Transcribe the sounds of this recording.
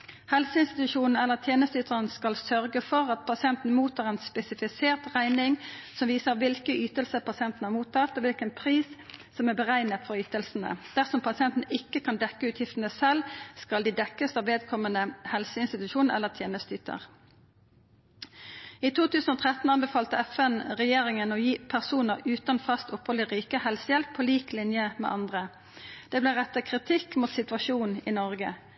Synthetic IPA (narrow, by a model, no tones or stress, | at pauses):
hɛlsəɪnst̪ɪt̪ʉʃuːnn̩ɛlːəʁt̪ʰjeːnəst̪yːt̪ʰəʁənskɑlsœʁɡəfɔʁɑt̪̚pʰɑsɪɛnt̪n̩muːt̪ʰɑːʁeːnspɛsɪfɪseːʁt̪ʁæɪnɪŋsɔmʋiːsəʁʋɪlkəyːt̪əlsəpʰɑsɪɛnt̪n̩hɑʁmuːt̪ʰːɑt̪ːɔʋɪlkənpʰʁiːssɔmæʁbəʁæɪnət̪fɔʁyːt̪əlsn̩ə̰d̪̥æʁsɔmpʰɑsɪɛnt̪n̩ʔɪkːəkʰɑnd̪ɛkːəʉːt̪ʰjɪft̪ən̩əsɛlskɑld̪iːd̪ɛkːəst̪ɑːʋeːd̪kʰɔmənəhɛlsəɪnst̪ɪt̪ʉʃuːnɛ̰lːəʁt̪ʰjeːnəst̪ʏt̪ʰə̰ʁ | iːt̪ʰuːt̪ʉːsn̩oːt̪ʰʁɛt̪n̩ɑnbɛfɑːlt̪əɛfɛnʁɛjeːʁɪŋənoːjiːpʰæʁsuːnəʁʉːt̪ɑnfɑst̪ʊphɔlɪʁiːkəhɛlsəjɛlpʰːoːliːklɪnjəmɛ̰ʔɑnd̪ʁə | d̪̥ɛːblɪʁɛt̪ːəkʰʁɪt̪ʰɪkːmuːt̪sɪt̪ʋɑʃuːniːnɔʁɡə̰